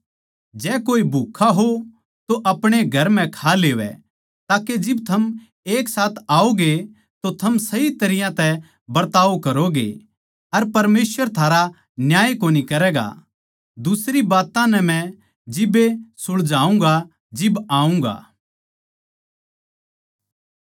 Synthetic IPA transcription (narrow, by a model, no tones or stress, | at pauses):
d͡ʒɛːkoːibʱuːkʰːaɦo | t̪oʔɐpɽ̃eɡʱɐɾm̤ɛ̃kʰaleːʋɛ̰ | t̪aːked͡ʒɪbt̪ʰɐm | eːksaːt̪ʰaːoɡe | t̪ot̪ʰɐmsɐit̪ɐɾɪjãt̪ɛ | bɐɾt̪aːʋkɐɾoɡḛ | ɐɾpɐɾmeːsʋəɾt̪ʰaːɾa | njaːjkoːnikɐɾɛːɡa̰ | d̪ʊsɾibaːt̪ãnɛmɛ̃ | d͡ʒɪbesʊɽd͡ʒaːũŋɡa | d͡ʒɪbaːũŋɡa̰ː